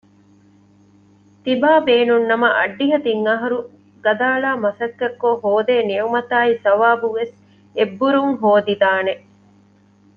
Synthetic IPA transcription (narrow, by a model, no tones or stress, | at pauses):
t̪ibaːbeːnunːɐmɐʔɐ̰ɖːiɦɐt̪iŋːɐɦɐɾu | ɡɐd̪aːɭaːmɐsɐkːɐɾkoɦoːd̪eːniumɐt̪aːisɐʋaːbuʋes | ebːuɾuŋɦoːd̪id̪aːne